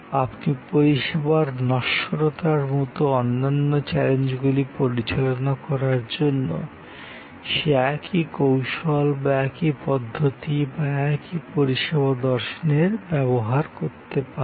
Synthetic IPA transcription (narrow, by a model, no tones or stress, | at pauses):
apnipoɾiʃebaɾnɔʃoɾot̪aɾmɔt̪oɔnːanːot͡ɕɛlend͡ʑɡulipoɾit͡ɕalonakɔɾaɾd͡ʑonːo̰ | ʃeɛkʰikowʃolbaɛkipɔd̪ʱːot̪ibaɛkipoɾiʃeβad̪ɔɾʃoneɾbɛβoɦaɾkoɾt̪epa